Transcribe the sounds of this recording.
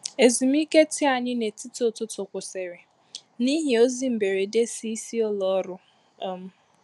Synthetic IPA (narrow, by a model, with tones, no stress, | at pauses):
e˨zi˨m˦i˦ke˦ti˦a˨ɲɪ˦ne˨ti˦tʊ˨tʊ˦tʊ˨kʷʊ˨se˨ɾɪ˨ | ni˦ɦɪ˨o˦zi˦m̩˨be˨ɾe˨de˦si˦si˦ɔ˦lɔ˨ɔ˦ɾʊ˦ | ɔ˦m̩˦